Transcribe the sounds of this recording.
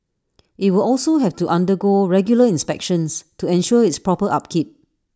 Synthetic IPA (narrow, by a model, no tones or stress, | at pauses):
ʔit̚wilɔlsoɦɛftuʔãndəɡoɹɛɡjuləĩnspɛkʃə̃nstuɛ̃nʃuəitspɹɔpəʔap̚kʰip̚